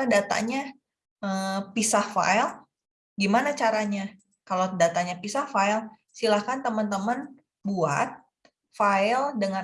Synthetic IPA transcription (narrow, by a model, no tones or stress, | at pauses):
dat̪a̰ɲa | əpisahfa̰il | ɡimanat͡ʃaɾaɲa | kalodat̪aɲapisahfail | silahkant̪əmənt̪əmən | bua̰t̪̚ | faɪldəŋa